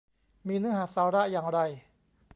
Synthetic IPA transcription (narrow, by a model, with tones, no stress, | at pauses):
miː˧nɯ˧˥ɐɦaː˨˩˦saː˨˦ɾa˦˥jaː˨˩ŋɾa˧j